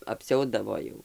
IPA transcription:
ɐpʲˈsʲɛʊdɐʋoː jɛʊ

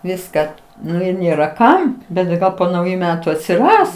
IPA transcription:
ˈʋʲɪskɑː ˈnʊ ɪr ˈnʲeːrɐ ˈkɐm bʲɛt tɐɪ ˈɡɐlˠ poː nɐʊˈjuː ˈmʲæːtʊ ɐtʲsʲɪˈrɐs

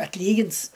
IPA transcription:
ɐtʲˈlʲiːɡʲɪns

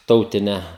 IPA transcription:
ˈtɐʊtʲɪnʲɛ

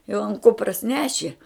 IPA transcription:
jɛʊ ɐn ˈkʊprɐs ˈnʲæːʃʲɪ

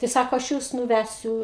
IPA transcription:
tɐɪ ˈsɑːkoː ɐʃ ˈjuːs nʊˈʋʲæsʲʊ

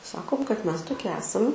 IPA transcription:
ˈsɑːkoːm kɐt ˈmʲɛs toːˈkʲɪ ˈæːsɐm

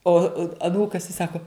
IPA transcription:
ˈoː ɐˈnuːkɐs ɪ ˈsɑːkoː

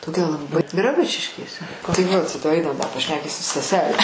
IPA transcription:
toːˈkʲɛ lˠɐˈbɨ ɡrɐˈbʊt͡ʃʲɪʃʲkʲeːsʲɛ tɐɪ ʋɐt ˈɐɪnɐm dɐ pɐʃʲˈnʲæːkʲiːsʲɪ stɐˈsʲæːlʲɛ

